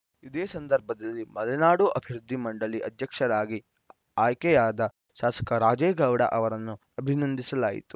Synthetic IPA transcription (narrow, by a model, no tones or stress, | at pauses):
id̪eːsɐnd̪ɐɾbʱɐd̪ɐlːimɐlɐnaːɽuʔɐbʱiɾud̪ʱːimɐɳɖɐliʔɐd̪ʱjɐkʂɐɾaːɡi | aːjkɛjaːd̪ɐ | ʃaːsɐ̥kɐɾaːd͡ʒeːɡɐwɽɐ̰ʔɐʋɐɾɐnːu | ɐbʱinɐnd̪ʱisɐlaːjḭt̪u̥